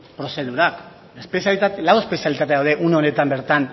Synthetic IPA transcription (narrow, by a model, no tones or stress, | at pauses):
pɾo̞se̞ð̞uɾak | espeslawespe̞sialit̪at̪eawðe̞ʔuneone̞t̪ambe̞ɾt̪an